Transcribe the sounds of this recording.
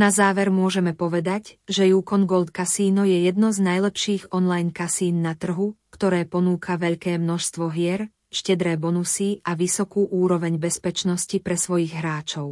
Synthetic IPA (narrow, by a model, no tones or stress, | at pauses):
nazaːʋɛɾmʊɔʒɛmɛpɔʋɛd̪acʒɛjuːkɔnɡɔlt̪kasiːnɔjɛjɛd̪̚nɔznajlɛpʃiːɣɔnlajnkasiːnːat̪r̩ɦukt̪ɔɾɛːpɔnuːkʰaʋɛʎkɛːmnɔʃst̪ʋɔɦɪɛɾ | ʃcɛd̪ɾɛːbɔnusiaʋisɔkuːʔuːɾɔʋɛɲbɛspɛt͡ʃnɔscipɾɛsʋɔjiɣɦɾaːt͡ʃɔʊ